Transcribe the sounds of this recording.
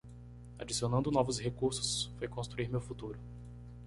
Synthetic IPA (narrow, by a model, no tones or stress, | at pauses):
a̰d͡ʒisiõnɐ̃d̪ʊnɔvʊshekuɾsʊ̥sfojkõst̪ɾuiɾmewfut̪uɾʊ